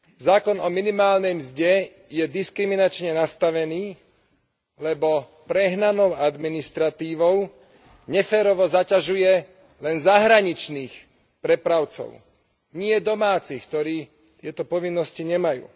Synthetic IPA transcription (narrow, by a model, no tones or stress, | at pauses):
zaːkɔnɔminimaːlnɛjmzɟɛ | jɛd̪iskɾiminat͡ʃɲɛnast̪aʋɛniː | lɛbɔ | pɾɛɦnanɔʊad̪minist̪ɾat̪iːʋɔʊ | ɲɛfɛːɾɔʋɔzacaʒujɛ | lɛnzaɦɾaɲit͡ʃniːx | pɾɛpɾaʊt͡sɔ̰ʊ | ɲɪɛd̪ɔmaːt͡sixkt̪ɔɾiː | t̪ɪɛt̪ɔpɔʋinːɔsciɲɛmajṵː